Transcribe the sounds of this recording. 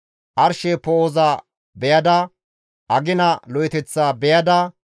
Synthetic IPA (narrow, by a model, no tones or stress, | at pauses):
ʔɐɾʃepoːzaː | bɛjɐd̪ɐ | ʔɐɡɪnɐlɔjɪt̪ɛt͡sːaːbɛjɐd̪ɐ